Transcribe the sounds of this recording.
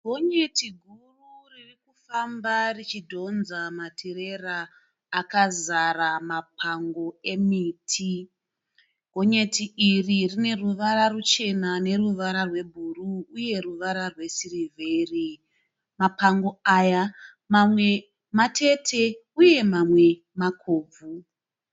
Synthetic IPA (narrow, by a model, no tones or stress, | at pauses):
ɡʱo̞ɲe̞tiɡʱururirikufambarit͡ʃidʱo̞nzamatʰeɾe̞raː | kazaramapʰaŋɡo̞e̞miːtʰi | ɡʱo̞ɲe̞tiiririne̞ruʋaɾarut͡ʃe̞nane̞ruʋaɾarwe̞bʱuruːje̞ruʋaɾarwe̞sirivʱeri | mapaŋɡo̞aja | mamwe̞ | matʰe̞tʰe̞uje̞mamwe̞ | makʰoːb͡vu